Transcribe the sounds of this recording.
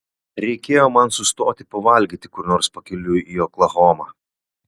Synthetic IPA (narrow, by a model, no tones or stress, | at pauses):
ɾʲɛɪkʲeːjoːmɐnsʊst̪oːt̪ʲɪpɐʋɐlʲɡʲiːt̪ʲɪkʊɾnoːɾspɐkʲɪlʲʊjijoːklˠɐɣoːmɑː